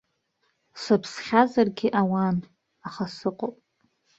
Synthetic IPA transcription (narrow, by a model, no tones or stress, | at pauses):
sɨpʰsχʲazarɡʲɪʔawan | aχasɨqʼopʼ